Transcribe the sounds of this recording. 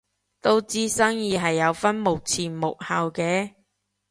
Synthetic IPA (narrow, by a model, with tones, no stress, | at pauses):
t̪o˥wt͡siː˥sɐ˥ŋjiː˨˧ɦɐ˨jːɐ˨˧wfɐ˥nmo˨k̚t͡sʰiː˨˩nmo˨k̚hɐ˨wkɛː˨˧